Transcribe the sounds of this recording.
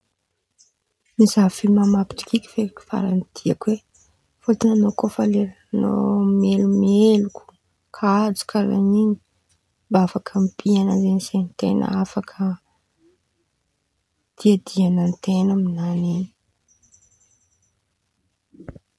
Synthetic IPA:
misafilmamapi̥t̪i̥kʲikʲi̥feɾiki̥fa̰ɾand̪̥iakwe | fot̪inanokofaleɾ | no̰melumelukʲu̥ | kʰad͡zu̥kʰʲaɾa̰nini̥ | mbaafakʰəmipianazenisent̪ḛnʔə̰afakʰə | d̪̥iad̪ianant̪enəminanini̥

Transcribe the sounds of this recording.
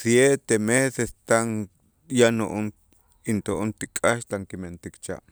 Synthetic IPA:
sjet̪emesest̪aŋ | janoʔon | int̪oʔont̪ikʼaʃt̪aŋkiment̪ikt͡ʃa̰ʔ

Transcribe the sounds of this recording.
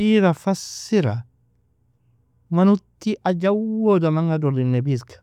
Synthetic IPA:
iɾafasːiɾa | manut̪ːiʔad͡ʒawodamaŋɡadɔlinːebiskḁ

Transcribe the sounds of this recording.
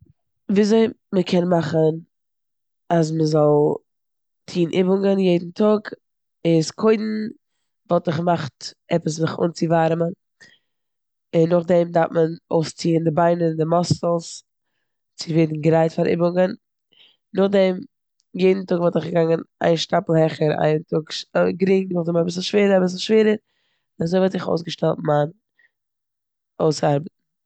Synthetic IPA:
viːzoɪməkʰɛnmaχən | as̬məzɔlˠ | tʰiːnʔɪbʊŋənjeɪdn̩tʰʊɡ | ɪskʰoɪdn̩ | vɔlˠtɪχmaχtɛpəs̬nɪχʊ̰nt͡sɪvaɾmən | ɪnːʊχdɛmdaɾtmənoʊst͡siːəndɪbaɪnədɪmɔsl̩ˠs | t͡sɪveːdn̩ɡəɾaɪtfaɾʔɪ̰bʊŋən | nʊχdɛm | jeɪdn̩tʊɡvɔlˠtɪχɡəɡaŋəna̰ɪnʃtapl̩ˠhɛχəɾa̰ɪntʊkɡɾɪŋnʊχdɛmabɪs̬l̩ˠʃveːɾəɾabɪs̬l̩ˠʃveːɾəɾ | azoɪvɔlˠtzɪχo̰ʊsɡəʃtɛlˠt̚man | oʊsaɾbətn̩

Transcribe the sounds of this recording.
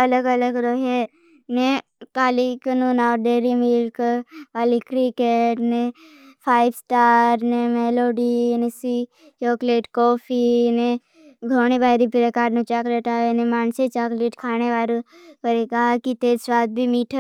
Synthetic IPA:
ɐləɡɐləɡɾoːɦe | ne | kaːlikənonaːɖeːɾimilkʋaːlikɾikeːʈne | pʰaːɪbsʈaːɾnemeːloːɖinesi | t͡ʃoːkleːʈkɔːfʰine | ɡʱoːñibaːɪɾipɾekaːɾnʊt͡ʃakɾeːʈ̪aenemaːnset͡ʃaːkleːʈkʰaːneʋaːɾokəɾekaɦakit̪eːɾswaːt̪̚bʱimiːʈʰə

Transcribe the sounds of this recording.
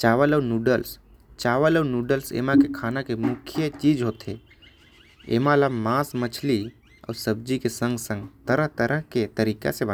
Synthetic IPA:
t͡ʃaːʋələnuːɖəls | t͡ʃaːʋələunuɖəlsḛːmãkekʰaːnakemʊkʰijət͡ʃiːd͡ʒɦoːt̪ʰḛ | ḛːmãlamãːsmət͡ʃʰli | ə̰ːɾsəb̚d͡ʒikesə̃ŋɡsə̃ŋɡt̪əɾəɦt̪əɾəɦket̪əɾiːka̰seba

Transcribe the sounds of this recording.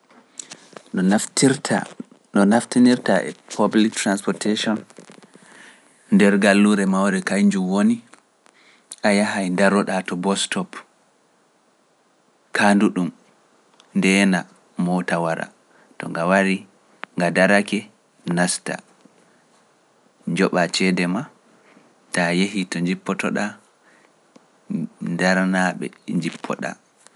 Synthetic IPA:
ɗɔnaftʰiɾtʰa̰ | ɗɔnaftiniɾtaɛ̰pʰablik̚tɾanspɔɾteʃɔn | ndɛɾɡalːuɾɛmawɾɛkajɲd͡ʒumwoni | ʔajaɦajndaɾɔɗatɔbɔstɔp | kʰanduɗum | ndɛna | mɔtawaɾʔa̰ | tɔ̰ŋɡawaɾi | ŋɡadaɾakɛ | nasta̰ | ɲd͡ʒɔɓat͡ʃɛdɛma | tajehitɔɲd͡ʒipːɔtɔ̰ɗa | daɾnaɓɛ̰ɲd͡ʒipʰːɔ̰ɗa̰

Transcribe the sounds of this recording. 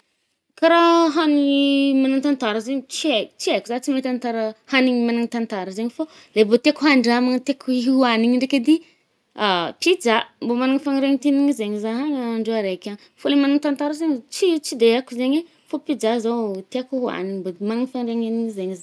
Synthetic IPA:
kaɾaɦaniimanaŋt̪ant̪aɾəzeɲit͡ʃiet͡ʃiekʲuzat͡simet̪ant̪aɾəhaniɲimanaŋit̪ant̪aɾəzeɲifa | lebot̪eakuɦaɳɖ͡ʐamaŋət̪ekuɦiɦuaniɲiɳɖ͡ʐeked̪i | apid͡zambomanaŋifaŋɾeŋit̪iniŋizeɲizaɦaɲaaɳɖ͡ʐeaɾekʲan | folemanaŋit̪ant̪aɾəzeɲt͡ʃit͡sid̪eakuzeɲe | fopid͡ʒazawt̪eakuɦua̰niɲbomanaŋifanreŋeniŋzeɲiza

